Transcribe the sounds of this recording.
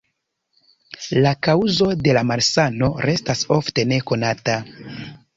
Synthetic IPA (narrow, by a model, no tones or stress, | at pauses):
lakawzo̞de̞lamaɾsano̞ɾe̞staso̞fte̞ne̞ko̞nata